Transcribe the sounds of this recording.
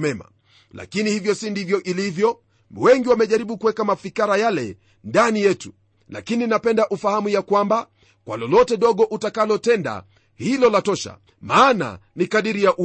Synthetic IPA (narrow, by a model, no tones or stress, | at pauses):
mɛma̰ | la̰kinihivjɔsindivjɔʔilivjɔ | wɛŋɡiwamɛʄaɾiɓukuwɛkamafikaɾajalɛ | ndanijɛtu | la̰kininapɛndaʔufahamujakwamba | kwa̰lɔlɔtɛɗɔɠɔʔutakalɔtɛnda̰ | hilɔlatɔʃa̰ | maːna̰nikaɗiɾijaʔu